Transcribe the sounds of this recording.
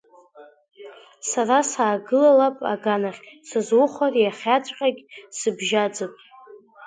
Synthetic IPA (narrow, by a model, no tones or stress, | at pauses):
sarasaːɡɨlalapʼa̰ɡanaχʲsɨzwʊχʷarjaχʲat͡ʃʷʼqʲʼaɡʲsɨbʒad͡zɨpʼ